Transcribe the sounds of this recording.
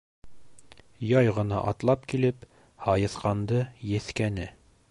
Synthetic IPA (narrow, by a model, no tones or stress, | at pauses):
jɑjʁɤ̆nɑ̰ʔɑt̪lˠɑp̚kilɘp | hɑjɤ̆θqɑnd̪ɤjɘ̆θkænɘ